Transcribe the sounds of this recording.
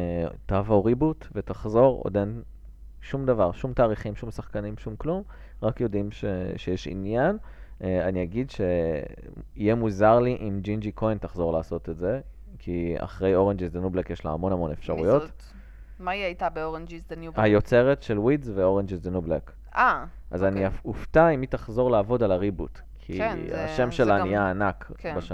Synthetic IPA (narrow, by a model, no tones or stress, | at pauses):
tavoʁibutve̞taχzo̞ʁo̰den | ʃumd̪avaʁʃumtaːʁiχimʃumsaχkanimʃumklum | ʁakjo̞dimʃeʃejeʃḭnjananiaɡidʃe̞ | ijemuzaʁliʔimd͡ʒind͡ʒikʰo̞jntaχzoʁlaːso̞t̪etze̞ | kʰia̰χʁe̞jo̞ʁend͡ʒizdenublekjeʃlaha̰mo̞nhamo̞nefʃaʁṵjo̞t | maiajtabeoʁend͡ʒizdenubhajo̞t͡se̞ʁetʃelwidzveo̞ʁend͡ʒizdenublek | aʔazaniauftaimitaχzo̞ʁlaːvo̞dalaʁibut | kʰḭa̰ʃemʃelanijaːnakbaʃ